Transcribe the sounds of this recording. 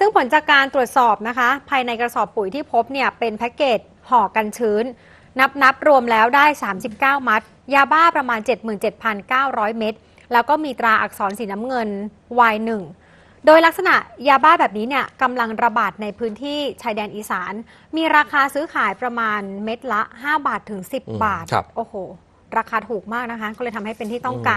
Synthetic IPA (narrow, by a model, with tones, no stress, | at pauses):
sɯ˥˩ŋpʰo˩˦nt͡ɕaː˨˩kːaː˧nt̪ɾu˨˩ət̪̚sɔː˨˩p̚na˦˥kʰa˦˥pʰaː˧jna˧jkɾa˧sɔː˨˩pːu˨˩˦jt̪ʰiː˥˩pʰo˦˥p̚ni˥˩əpe˧npʰɛː˦˥keː˨˩t̪̚ | hɔː˨˩ka˧nt͡ɕʰɯː˦˥nː | a˦˥p̚na˦˥p̚ɾu˧əmlɛː˦˥wdaː˥˩jsaː˩˦msi˨˩p̚kaː˥˩wma˦˥t̪̚ | jaː˧baː˥˩pɾa˧maː˧nt͡ɕe˨˩t̪̚mɯː˨˩nt͡ɕe˨˩t̪̚pʰa˧nkaː˥˩wɾɔː˦˥jme˦˥t̪̚ | lɛː˦˥wkɔː˥˩miː˧t̪ɾaː˧ʔa˨˩k̚sɔː˩˦nsiː˩˦na˦˥mŋɤ˧n | waː˧jnɯ˨˩ŋ | doː˧jla˦˥k̚sa˧na˨˩ʔjaː˧baː˥˩bɛː˨˩p̚niː˦˥ni˥˩ɐka˧mla˧ŋɾa˧baː˨˩t̪̚na˧jpʰɯː˦˥nt̪ʰiː˥˩t͡ɕʰaː˧jdɛː˧nʔiː˨˩saː˩˦n | miː˧ɾaː˧kʰaː˧sɯː˦˥kʰaː˩˦jpɾa˧maː˧nme˦˥t̪̚la˦˥ʔɦaː˥˩baː˨˩t̪ʰːɯ˩˦ŋsi˨˩p̚baː˨˩t̪̚ʔoː˨˩hoː˨˩ | ɾaː˧kʰaː˧t̪ʰuː˨˩k̚maː˥˩k̚na˦˥kʰa˦˥kɔː˥˩lɤː˧jt̪ʰa˧mha˥˩jpe˧nt̪ʰiː˥˩t̪ɔ˥˩ŋkaː˧n